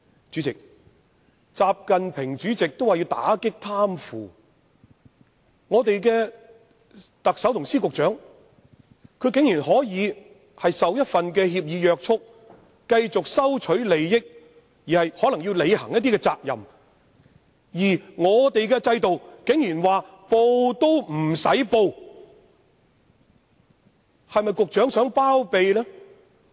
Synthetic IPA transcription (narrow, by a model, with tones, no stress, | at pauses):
t͡ʃyː˨˥t͡sɪ˨k̚ | t͡saː˨p̚kɐ˨npʰɪ˨˩ŋt͡ʃyː˨˥t͡sɪ˨k̚t̪o˥waː˨˩ji˧wt̪a̰ː˨˥kɪ˥k̚t̪ʰaː˥mfuː˨˩ | ŋɔː˨˧t̪e˨jkɛ˧ | t̪ɐ˨k̚sɐ˨˥wt̪ʰʊ˨˩ŋsiː˥kʊ˨k̚t͡ʃœː˨˥ŋ | kʰɵ˧ɥkɪ˨˥ŋjiː˨˩nɦɔː˨˥jiː˨˧ | hɐ˨jsɐ˨wjɐ˥t̚fɐ˨nkɛː˧hiː˧p̬̚jiː˨˧jœː˨˧k̚t͡ʃʰʊ˥k̚ː | kɐ˧jt͡sʊ˨k̚sɐ˥wt͡ʃʰɵ˨˥ɥle˨˧jːɪ˥k̚ | jiː˨˩hɐ˨jhɔː˨˥lɐ˨˩ŋjiː˧wle˨˧jhɐ˨˩ŋjt̪iː˥kɛː˧t͡sa̰ː˧k̚jɐ̰˨˩m | jiː˨˩ŋɔː˨˧t̪e˨jkɛː˧t͡sɐ˧jt̪o˨wkɪ˨˥ŋjyː˨˩nwaː˨ | po˧wt̪o˥wm̩˨˩sɐ˨˥jpo˧w | hɐ˨jmɐ˨jkʊ˨k̚t͡ʃœː˨˥ŋsœː˨˥ŋpaː˥wpe˨jlɛː˥